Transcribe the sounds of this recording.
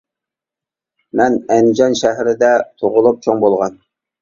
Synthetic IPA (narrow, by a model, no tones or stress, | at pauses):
mɛnɛnd͡ʒɑnʃɛɦɾɪd̪ɛt̪ʰoʁʊlˠup̚t͡ʃʰoŋbolˠʁɑn